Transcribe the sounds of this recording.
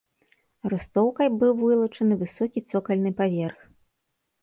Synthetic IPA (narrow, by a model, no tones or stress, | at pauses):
rɨst̪ɔwkɐjbɨwvɨlˠɐt͡ʂɐnɨvɨsɔkʲit̪sɔkɐlʲnɨpavʲɛrx